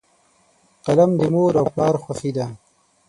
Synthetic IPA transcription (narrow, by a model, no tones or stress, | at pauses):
qɐlɐmd̪imoːɾawpaːɾxwɐxid̪a